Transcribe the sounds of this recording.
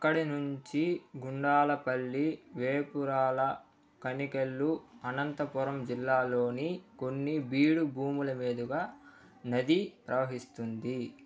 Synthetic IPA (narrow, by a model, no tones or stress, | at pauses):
ɐkːɐɽinuɲt͡ʃiɡuɳɖaːlɐpɐɭːiʋeːpuɾaːlɐ | kɐnikelːuɐnɐnt̪ɐpɔɾɐmd͡ʒilːaːlo̞ːniko̞nːibiːɽubʱuːmulɐmeːd̪uɡaː | nɐd̪ipɾɐʋɐɦist̪und̪i